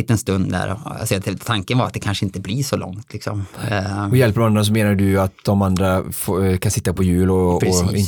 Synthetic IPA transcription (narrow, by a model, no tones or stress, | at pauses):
ɪt̪ːɛnst̪ɵnd̪d̪æ̰ɾɔ̰sɛɛt̪ʰːaŋkənvaɾat̪̚d̪ɛkʰanʂəɪnt̪əbliʂɔlɔ̰ŋt̪ʰlɪksɔ̰m | jɛlpəd̪ɾɔmand̪ɾas̬ɔmeːnaɖɵat̪̚d̪ɔmand̪ɾafkʰansɪt̪ːapʰɔjʉ̟ːlɔɪn